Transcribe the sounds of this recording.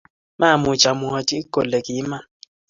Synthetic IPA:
mʔa˦˨mu˨t͡ʃa˨mu˨ha˨tʼi˦kɔ˨lɛ˨kʼi˨˦ma˦

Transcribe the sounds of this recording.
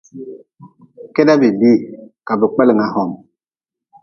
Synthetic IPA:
ke˦da˦bi˨bi˦˨ka˨bu˨k͡pɛ˦li˨ŋa˨ɦɔ˨m

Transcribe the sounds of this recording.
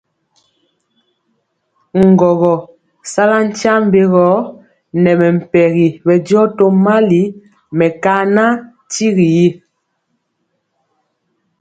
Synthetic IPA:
ŋ̩˨ɡɔ˨ɣɔ˨ | sa˦la˦n̩˦t͡ʃa˦m˦be˦ɣɔ˨˦ | nɛ˨mɛ˨m̩˨pɛ˨ɣi˨bɛ˨djɔ˦to˦ma˦li˨˦ | mɛ˨ka˦na˦ | ti˦ɣi˨je˦

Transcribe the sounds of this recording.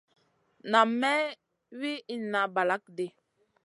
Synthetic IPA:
na˨mːɛ˦ | wi˦i˦na˨ba˨la˨˦k̚de˨

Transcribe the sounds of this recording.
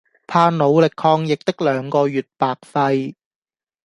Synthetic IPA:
pʰaː˧no˨˧wlɪ˨kʰːɔː˧ŋjɪ˨k̚t̪ɪ˥k̚lœː˨˥ŋkɔː˧jyː˨˩t̚paː˨k̚fɐ˧j

